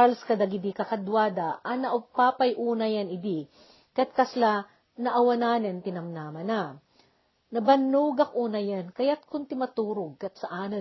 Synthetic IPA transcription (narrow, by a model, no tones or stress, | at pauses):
alskɐd̪aɡɪd̪ikɐkɐd̪waːd̪ɐʔɐnɐʔʊpaːpɐjʔuːnɐjɐnɪd̪i | kɐjat̪̚kɐsla | nɐʔɐwɐnaːnɛnt̪ɪnɐmnaːmɐna | nɐbɐnːuːɡɐk̚ʔuːnɐjankɐjat̪̚kʊnt̪ɪmɐt̪uːɾoɡ̚kɐt̪sɐʔaːnɐ